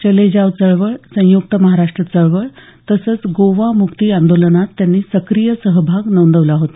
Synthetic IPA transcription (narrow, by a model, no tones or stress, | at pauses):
t͡ɕəled͡ʑaʋt͡səɭʋəɭsə̃juk̚t̪əməɦaɾaʂʈɾət͡səɭʋəɭ | t̪əsət͡sɡoʋamukt̪iːand̪olənat̪ːjanːiːsəkɾijəsəɦbʱaɡnənd̪əʋlaɦot̪ḁ